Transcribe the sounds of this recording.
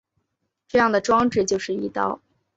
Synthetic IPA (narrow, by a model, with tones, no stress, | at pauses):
ʈ͡ʂɤ˥˧jɑ˥˩ŋd̪ə˩ʈ͡ʂwɑ˥ŋʈ͡ʂɻ̩˥˩t͡ɕjo˥˧ʊʂɻ̩˥˩i˧˥t̪ɑ̰˥˧˩ʊ